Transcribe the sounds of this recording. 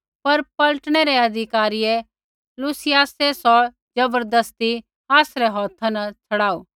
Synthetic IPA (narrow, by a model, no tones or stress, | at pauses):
pɐɾpɐləʈɽ̃eɾɛɐd̪ʱɪkaːɾiɛ | luːsɪjaːsesɔ | d͡ʒɐbəɾd̪əst̪i | aːsɾɛɦɔːt̪ʰãnɐt͡sʰɐɽaːoː